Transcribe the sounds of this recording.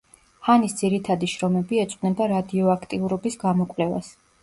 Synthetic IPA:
hanisd̪z̥iɾit̪ʰad̪iʃɾɔmɛbiɛt̪sʼnɛb̪aɾad̪iɔakʰt̪ʼiuɾɔbisɡamɔkʼvlɛva̰s

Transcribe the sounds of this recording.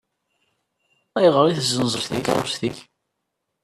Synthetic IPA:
æjʁəɾˤiθzənzˤəɾθḭkʁə̰sθiç

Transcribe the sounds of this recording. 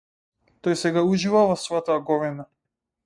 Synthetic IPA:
t̪ɔjsɛɡauʒivavɔsvɔat̪aɡɔvɛna

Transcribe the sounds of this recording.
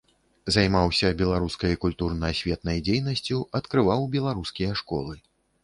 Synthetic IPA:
zajmawsʲɐbʲɛlˠaɾuskɐjkulʲt̪urnɐɐsʲvʲɛt̪̚nɐjd͡zʲejnɐsʲt͡sʲuɐt̪kɾɨvawbʲɛlˠaɾuskʲijɐʂkɔ̰lˠɨ

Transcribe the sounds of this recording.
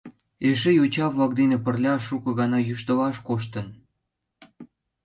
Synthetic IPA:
eʃejot͡ɕɑβlɑk̚d̪enepərlʲɑʃːukɤ̆ɣɑnɑjyʃt̪əβɑʃkoʃ̬t̪ə̆n

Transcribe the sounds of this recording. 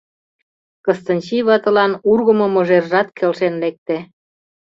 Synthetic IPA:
kɤ̆st̪ə̆nʲt͡ɕiβɑt̪ə̆lɑnurɣə̆mŏmŏʒerʒɑt̪kʰelʃenlek̚t̪e

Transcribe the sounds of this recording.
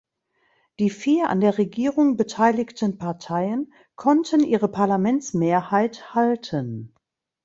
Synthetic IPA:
d̥iːfiːɐʔa̰ndeːɐʁeɡiːʁʊŋbətʰaɪlɪktənpʰaɐtʰaɪən | kʰɔntʰənʔiːʁəpʰaɐlamɛnt͡smeːɐhaɪthaltʰən

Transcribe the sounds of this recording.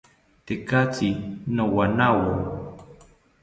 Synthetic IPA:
t̪ekat͡sinowanawo

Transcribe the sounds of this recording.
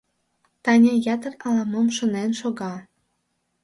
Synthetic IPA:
t̪ɑnʲɑjɑt̪ɤ̆rɑlɑmomʃŏnenʃoɣɑ

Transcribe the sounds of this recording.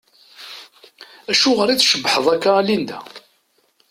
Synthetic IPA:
æʃuʁəɾiθʃəbːħəðˤækːalind̪æ

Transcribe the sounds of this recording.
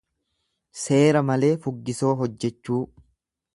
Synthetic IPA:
se̞ːɾɐmɐle̞ːfʊɡːɪso̞ːɦɔd͡ʒːɛt͡ʃːuː

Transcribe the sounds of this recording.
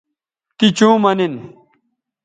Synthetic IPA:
t̪it͡ɕũːmɐnin

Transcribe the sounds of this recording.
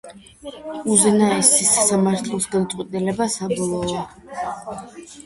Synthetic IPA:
uzɛnaɛsisasamaɾt̪ʰlˠɔsɡad̪at̪sʼwɛt̪ʼilɛbasabɔlˠɔ

